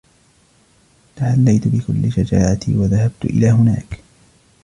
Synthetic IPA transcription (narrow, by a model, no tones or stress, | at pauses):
t̪aħalːajt̪bɪkʊlːɪʃad͡ʒaːʕat̪ḭwaðahab̚t̪ʊʔɪ̰laːɦʊna̰ːk